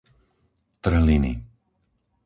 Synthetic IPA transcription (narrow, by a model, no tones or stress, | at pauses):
t̪r̩ɦlinḭ